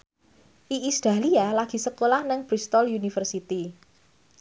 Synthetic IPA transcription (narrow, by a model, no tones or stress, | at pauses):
ʔiʔisd̪̥a̤lialaɡ̥i̤səkolahnəŋb̥ɾist̪ɔljunifərsit̪i